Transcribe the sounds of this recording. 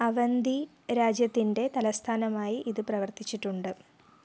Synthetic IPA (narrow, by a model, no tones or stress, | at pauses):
ɐʋɐnd̪i | ɾaːd͡ʑjɐt̪ːinde̞t̪ɐlɐst̪ʰaːnɐmaːjiʔiðɨprɐʋɐrt̪it͡ɕːiʈːuɳɖɨ